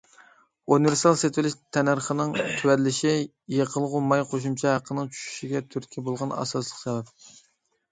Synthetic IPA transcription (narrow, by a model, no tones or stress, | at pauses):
unɨveɾsiɑlˠset̪wɪlɪʃt̪ʰɛnɑɾχənɨŋt̪ʰywɛɾlːɪʃɪ | jeqʰəlˠʁʊmɑjqʰoʃ̬umt͡ʃʰɑɦæqʰːənɨŋt͡ʃʰy̥ʃy̥ʃiɡʲɛt̪ʰyɾkʲʰibolˠʁɑnɑ̰sɑslˠəqsɛvɛp̚